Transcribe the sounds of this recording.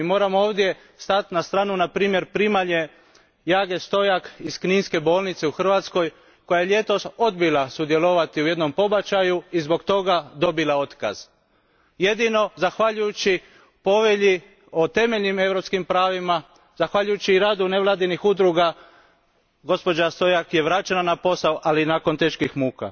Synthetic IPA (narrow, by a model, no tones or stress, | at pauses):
imo̞ːɾamoo̞ːʋd̪je̞ | st̪at̪nast̪ɾaːnunapɾiːmje̞ɾpɾiːmaʎe̞ | jaːɡe̞st̪o̞jakiskniːnske̞bo̞ːlnit̪seuxr̩ʋat̪sko̞j | ko̞jajeʎʲje̞t̪o̞so̞d̪bilasud̪jelo̞ʋat̪iuje̞d̪no̞mpo̞bat͡ʃajuizbo̞kt̪o̞ɡad̪o̞bilao̞t̪ka̰z̥ | je̞d̪ino̞zaxʋaʎujut͡ɕi | po̞ʋeʎi | o̞t̪e̞me̞ʎnime̞ʋɾo̞pskimpɾaːʋima | zaxʋaʎujut͡ɕiːɾaːd̪une̞ʋlˠaːd̪inixud̪ɾuɡa | ɡo̞spo̞d͡ʒast̪o̞jakje̞ʋɾat͡ʃenanapo̞saoʔalinaːko̞nt̪e̞ːʃkixmuːka̰